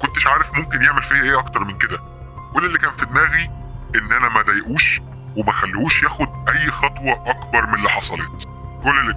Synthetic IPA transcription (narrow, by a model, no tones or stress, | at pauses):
kont̪eʃʕaːɾefmomkenjeʕmelfiːhæʔeːʔɑkt̪ɑɾˤmenked̪æ | kolːelːikæːnt̪et̪̚mæːɣi | ʔenːʔænæmæd̪æjeʔuːʃ | wemæxælːuːʃjæːxod̪ʔæjːxɑt̪ˤwɑʔɑkbɑɾˤmeneliħɑsˤɑlḛːt̪ | kolːelː